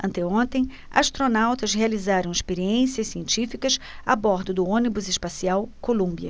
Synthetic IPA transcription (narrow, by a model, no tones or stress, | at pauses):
ɐ̃nt̪ɛõnt̪ẽj̃ | a̰ʃt̪ɾonawt̪ɐzɦealizaɾɐ̃w̃ɪʃpeɾiẽsiɐsiẽnt͡ʃifikɐsabɔɾd̪ʊd̪ʊõnibʊzɪʃpasiawkolũmbiɐ